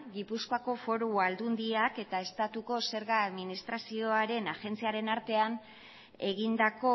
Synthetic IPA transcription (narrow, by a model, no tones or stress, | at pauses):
ɣipuskoako̞fo̞ɾuald̪und̪iake̞t̪ae̞st̪at̪uko̞se̞ɾɣaːðminist̪ɾasio̞aɾe̞naʝe̞nt͡siaɾe̞naɾt̪e̞an | e̞ɣind̪ako̞